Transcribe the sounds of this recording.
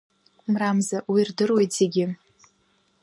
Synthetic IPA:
mramzawirdɨrwe̞jtʰz̥e̞ɡʲɪ

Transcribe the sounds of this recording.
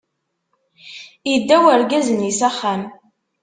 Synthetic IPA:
jəd̪ːæwəɾɡæzənisæχːam

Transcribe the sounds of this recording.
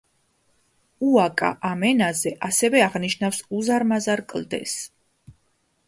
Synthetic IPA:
uakʼa̰ʔamɛnazɛʔasɛvɛaʁniʃnafsuzaɾmazaɾkʼld̪ɛ̰s

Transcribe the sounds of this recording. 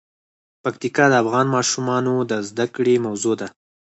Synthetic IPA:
pakt̪ikɑd̪əafɣɑnmɑʃumɑnod̪əzd̪akɽemawzod̪a

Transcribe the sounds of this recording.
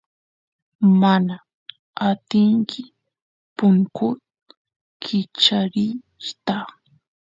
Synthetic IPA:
mana | at̪ɪŋkʰɪ | pʊŋkʊ | kʰɪt͡ʃaɾɪ | ʃt̪a

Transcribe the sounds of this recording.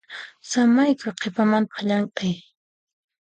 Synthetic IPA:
samajkʊqʰepamant̪ḁʎaɴkʼaj

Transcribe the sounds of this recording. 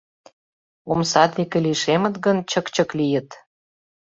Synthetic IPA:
omsɑt̪ikĕliʃemə̆t̪ɡə̆nt͡ɕə̆kt͡ɕə̆klijə̆t̪

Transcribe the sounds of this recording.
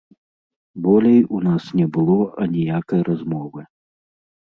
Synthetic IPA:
bɔlʲɛjunasnʲɛbɨlˠɔɐnʲijakɐjrazmɔvɨ

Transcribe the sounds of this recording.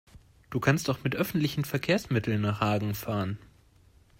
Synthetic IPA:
d̥uːkʰanstaʊxmɪtʔœfn̩tlɪçn̩fɛɐkʰeːɐsmɪtl̩nːaːχhaːɡŋ̩faːʁən

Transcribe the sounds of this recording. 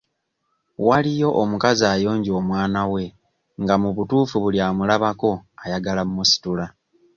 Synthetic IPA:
walijo̞ʔomukazaːjo̞ːɲɟio̞ːmwaːnawe̞ | ŋɡamuβutuːfuβuljaːmulaβako̞ajaɡalammusi̥tula

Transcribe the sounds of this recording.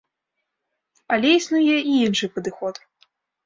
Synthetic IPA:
alʲɛisnujɛiinʂɨpɐd̪ɨxɔt̪

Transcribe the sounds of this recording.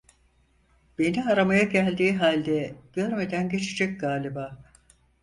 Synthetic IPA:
b̥e̞niaɾamajaɟælʲd̪iːɦalʲd̪ɛɟ̥ø̞ɾme̞d̪ænɟe̞t͡ʃʰed͡ʒɛc̚ɡaːlʲibaː

